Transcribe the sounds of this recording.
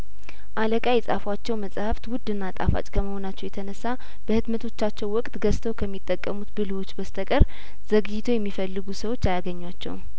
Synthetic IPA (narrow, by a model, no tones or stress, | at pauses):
ʔaləkʼajɛsʼafwat͡ʃːɛwməsʼhəft̪wʊd̪ːɨnːat̪ʼa̰fa̰t͡ʃʼkʰəməho̞nat͡ʃːɛwjɛt̪ʰənəsːa | b̥əhɨd̪mət̪ʰo̞t͡ʃːat͡ʃːɛwwɔkʼt̪ɡəst̪ʰəwkʰəmːit̪ʼːəkʼːəmut̪bɨlwot͡ʃːbəst̪ʰəkʼəɾ | z̥əɡɨjt̪ʰojɛmːifəlːɨɡusəwo̞t͡ʃːajaɡəɲːwat͡ʃːɛ̰w